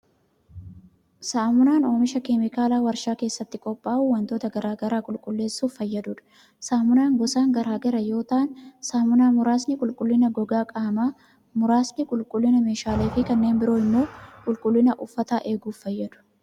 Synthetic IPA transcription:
saːmʊnaːno̞ːmɪʃɐkeːmɪkaːlaːwɐɾʃaːke̞ːsːɐt̪ːɪkʼɔpʼːaːʔuːwɐnt̪o̞ːt̪ɐɡɐɾaːɡɐɾaːkʼʊlkʼʊlːe̞ːsːuːfːɐjːɐd̪ʊᶑɐ̥ | saːmʊnaːŋɡɔsaːŋɡɐɾaːɡɐɾɐjo̞ːt̪aːnsaːmʊnaːmʊɾaːsnɪkʼʊlkʼʊlːɪnɐɡɔɡaːkʼaːmaː | mʊɾaːsnɪkʼʊlkʼʊlːɪnɐme̞ːʃaːleːfɪkɐnːe̞ːnbɪɾo̞ːɪmːo̞ːkʼʊlkʼʊlːɪnɐʔʊfːɐt̪aːʔe̞ːɡuːfːɐjːɐd̪ʊ̥

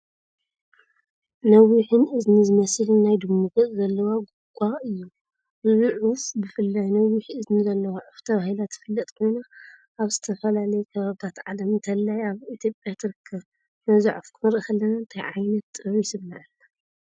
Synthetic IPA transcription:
nɐwːiħɨnɨznizɨmɐslɨnːajd̪ɨmːuɡɐt͡sʼzɐlːɐwaɡuɡ̥ʷʼaʔɨjːu | bɨzʕufbɨfɨlːajnɐwːiħɨznizɐlːɐwaʕuft̪ʰɐβahilat̪fɨlːɐt̪ʼkʰojnaʔaβzɨt̪ʰɐfɐlalɐjɛkʰɐβaβt̪ʰat̪ʕalɐmnt̪ʰɐlːajaβit̪ʰjopʼjat̪ʰɨɾɨkʰːɐβ | nɐza̰ʕufkʰɨnɨɾʔɨxɐlːɐnant̪ʰajʕajnɐt̪ːʼɨβisɨmnaʕɨnːa

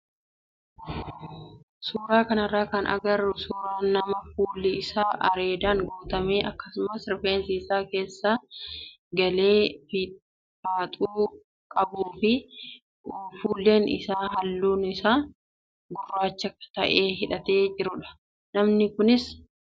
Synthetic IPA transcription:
suːɾaːkɐnɐrːaːkɐnʔɐ̰ɡɐrːʊsuːɾaːnːɐmɐfuːlːɪɪsaːʔɐɾe̞ːd̪aːŋɡoːt̪ɐmeːʔɐkːɐsʊmɐsɪɾfeːnsiːsaːke̞ːsːa | ɡɐle̞ːfɪ | faːt̪ʼuː | kʼɐbuːfɪ | fuːlːe̞ːnɪ̰saːɦɐlːuːnɪsaː | ɡʊrːaːt͡ʃːɐkːɐ̥t̪ɐʔe̞ːɦɪᶑɐt̪e̞ːd͡ʒɪɾʊᶑɐ̥ | nɐmnɪkʊnɪs

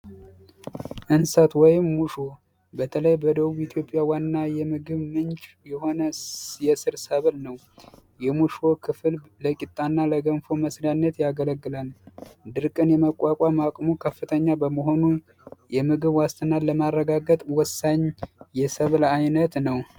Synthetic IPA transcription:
ʔɨnsat̪wɔjɪmːuʃo̞ | bət̪ʰələjbəd̪əβuβit̪ʰjo̞pʼjawanːajɛmɨɡɨβmɨnt͡ʃʼ | jɛho̞nəjɛsɨɾsəβlnəw | jɛmuʃo̞kʰɨfɨlləkʼɪt̪ʼːanːaləɡənfo̞məslanːət̪jaɡələɡːɨlald̪ɨɾkʼɨnjɛməkʼːakʼamakʼmukʰəfːɨt̪ʰəɲːabəməɦo̞nu | jɛmɨɡɨβwast̪ʰɨnaləmarːəɡaɡət̪ʼwɔsːaɲjɛsəβlajnət̪nəw

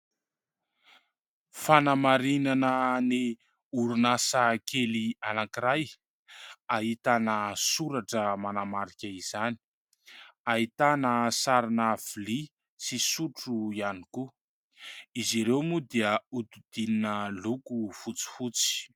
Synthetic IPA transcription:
fanamaɾinanəni | uɾunasakelianakiɾaj | aɦit̪anəsuɾaʈ͡ʂəmanamaɾikʲaiz̥ani̥ | aɦit̪anəsaɾinəv̥ili | sisuʈ͡ʂuianiku | iziɾewmud̪iəut̪ud̪̥ininəlukufut͡si̥fut͡si̥

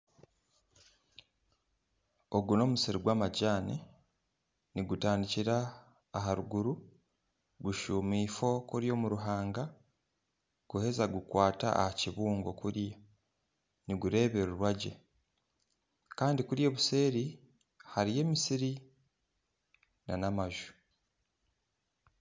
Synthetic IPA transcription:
o̞ɡuno̞ːmusiɾiɡwaːmaɟaːne | niɡutaːndiciɾaː | ɦaɾuɡuɾu | ɡuʃuːmiːfo̞kuɾjo̞ːmuɾuɦaːŋɡa | ɡ̥uhe̞zaɡukwaːta̰a̰haciβuːŋɡo̞kuɾja | niɡuɾe̞ːβe̞ɾuɾwaɟḛ | kaːndikuɾje̞ːβuse̞ːɾi | haɾije̞ːmisiɾi | nanamaʒu̥

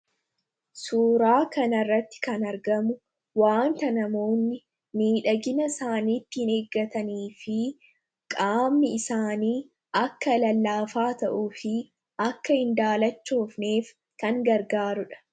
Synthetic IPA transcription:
suːɾaːkɐnɐrːɐt̪ːɪ̥kɐnɐɾɡɐmʊ | waːnt̪ɐnɐmo̞ːnːɪ | miːᶑɐɡɪnɐsaːniːt̪ːɪhɪne̞ːɡːɐt̪ɐniːfɪ | kʼaːmːɪɪsaːniː | ʔɐkːɐlɐlːaːfaːt̪ɐʔuːfɪ | ʔɐkːɐhɪnd̪aːlɐt͡ʃːo̞ːfneːf | kɐŋɡɐɾɡaːɾʊᶑɐ̥

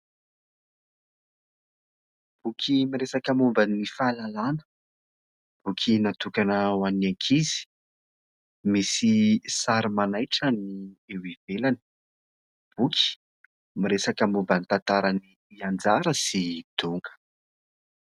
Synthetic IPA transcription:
b̥ukʲʰimiɾesakəmumbənifalalanə̥ | b̥ukʰinat̪ukanəwanaŋkʰizi̥ | misisaɾimanajʈ͡ʂəniewivelani̥ | b̥ukʰʲi̥ | miɾesakəmumbənit̪ant̪aɾani | iand͡zaɾəsid̪̥uŋɡə̥

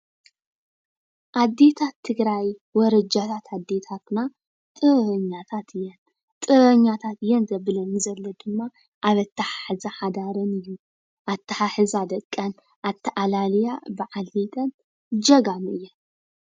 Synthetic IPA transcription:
ʔad̪ːet̪ʰat̪ʰːɨɡɾajwɔɾɐd͡ʒat̪ʰat̪ʰad̪ːet̪ʰat̪na | t̪ʼɨɐɲːat̪ʰat̪ʰɨjːɛn | t̪ʼɨɐɲːat̪ʰat̪ɨjɛnzɐbɨlɐnɨzɐlːɐd̪ɨmːa | ʔaβɐt̪ːɐħaħɨzaħad̪aɾɐnɨjːu | ʔat̪ʰːɐħaħɨzad̪ɐkʼːɐn | ʔat̪ʰːɐʔalaljabɨʕalːet̪ʼɐn | d͡ʒɐɡamɨɨjːɛ

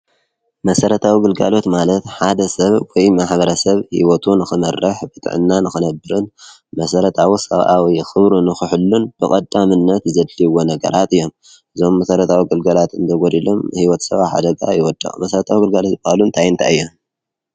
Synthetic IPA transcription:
mɐsɐɾɐt̪ʰawiɡɨlɡa̰lo̞t̪malɐt̪ħad̪ɐsɐβwɔjmaħbɐɾɐsɐβhḭwɔt̪ʰunɨxɨmɐrʔɨħbɨt̪ʼʕɨ̰nːanɨxɨnɐbɨɾɨn | mɐsɐɾɐt̪ʰawisɐ̰βʔawixɨβɾunɨxɨħɨlːunb̥ɨkʼɐd̪ːamɨnːɐt̪zɐd̪liwonɐɡɐ̰ɾʔat̪ɨjːo̞m | ʔɨzo̞mːɐsɐɾɐt̪ʰawiɡɨlɡalat̪ɨnd̪ʰɐɡoɾilo̞mhiwɔt̪sɐβaħa̰d̪ɐɡʼa̰jɪwɔd̪ːɐ̰xʼmɐsɐɾɐt̪ʰawiɡɨlɡalot̪bahlunt̪ʰajɨnt̪ʰa̰ɨjːom

